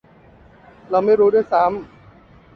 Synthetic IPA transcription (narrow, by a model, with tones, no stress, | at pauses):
la˧wma˥˩jɾuː˦˥du˥˩jsa˦˥m